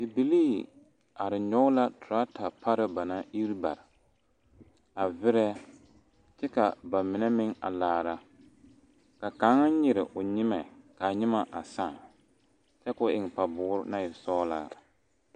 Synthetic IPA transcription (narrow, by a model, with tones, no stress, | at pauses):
ɪ˨bi˨liː˦˨ | a˨ɾɪ˨ɲɔ˦ʊ˦la˦tʊ˨ɾa˦tʰa˨pʰa˦ɾɨ˦ba˨na˦ʔi˦ɾba̰˨ɾɪ˨ | a˨vɪ˦ɾɛ˦ | t͡ʃɛ˦ka˨ba˨mɪ˨nɛ˦mɪ˦ŋa̰˨laː˨ɾa˦ | ka˨ka˨˦ŋa˦ɲɪ˨ɾɪ˨ʔʊ˨ɲɪ˦mɛ˨ka˨ɲɪ˦ma˨ʔa˨sa˦˨ | t͡ʃɛ˦kʊ˦ʔɪ˨ŋ˨pa˨bʊː˨˦ɾna˦ɪ˨sɔː˦la̰˦